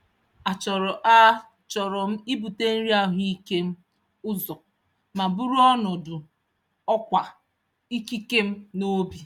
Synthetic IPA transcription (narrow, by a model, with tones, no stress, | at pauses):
a˨t͡ʃɔ˨ɾɔ˨ʔa˦ | t͡ʃɔ˨ɾɔ˨m̩˦i˦bu˨te˦n̩˦ɾi˦a˨ɦu˦i˦ke˦m̩˦ | ʊ˦zɔ˨ | ma˨bu˦ɾu˦ɔ˦nɔ˨dʊ˨ | ɔ˦kʷa˨ | i˦ki˦ke˦m̩˦no˦bi˨